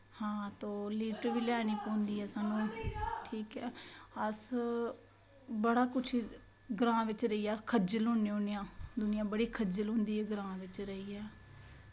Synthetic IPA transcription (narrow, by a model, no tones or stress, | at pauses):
hãːt̪õːliːʈʋiːlɛːniːkõːnd̪iːɦɛːsaːnũːʈʰiːkɛːəs | bəɽaːkʊt͡ʃʰiː | ɡɾãːʋɪt͡ʃɾəiːɛːkʰəd͡ʒəlõːneːʊnɪjãːd̪ʊnɪjãːbəɽiːkʰəd͡ʒəlɦʊ̃ːnd̪iːɦɛːɡɾãːʋɪt͡ʃɾəiːɛː